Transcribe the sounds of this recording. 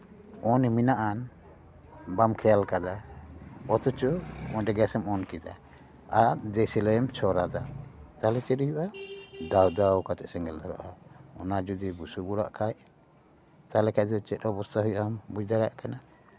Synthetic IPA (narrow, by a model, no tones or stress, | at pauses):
ɔniminaʔan | bamkʰɛjalkad̪a | ɔt̪ɔt͡ʃɔɔnɖɛɡɛsɛmɔnkid̪a̰ | aɾd̪ɛsilɛmt͡ʃʰɔɾad̪at̪alɛt͡ʃɛujuʔad̪awd̪awkat̪ɛʔsɛŋɡɛld̪ɔɾɔ̰ʔaɔnad͡ʒud̪ibusuɡuɽa̰ʔkʰaj | t̪alɛkʰad̪ɔt͡ʃɛt̪̚ɔbɔst̪ʰaɦujʔambud͡ʒd̪aɾajaʔkana